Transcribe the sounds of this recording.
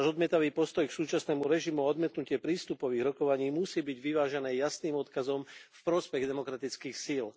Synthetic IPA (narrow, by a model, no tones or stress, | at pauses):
ʒɔd̪mɪɛt̪aʋiːpɔst̪ɔjksuːt͡ʃasnɛːmuɾɛʒimuaɔd̪mɪɛt̪nucɪɛpɾiːst̪upɔʋiːɣɾɔkɔʋaɲiːmusiːbiɟʋiʋaːʒɛnɛːjasniːmɔt̪kazɔmfpɾɔspɛɣd̪ɛmɔkɾat̪it͡skiːxsil